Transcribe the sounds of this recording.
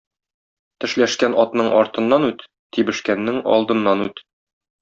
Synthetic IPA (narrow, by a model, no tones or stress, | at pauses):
t̪ɘ̆ʃlæʃkænɒt̪nɤɴɒɾt̪ɤ̆nːɑnʉt̪ːibɘ̆ʃkænːɘŋɒ̰lˠd̪ɤ̆nːɑnʉt̪